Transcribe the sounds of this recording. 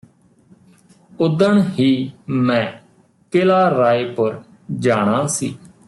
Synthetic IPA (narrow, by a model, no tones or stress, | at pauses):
ʊd̪əɳhiːmɛ̃ː | keːlaːɾaːeːpəɾ | d͡ʒaːɽ̃aːsiː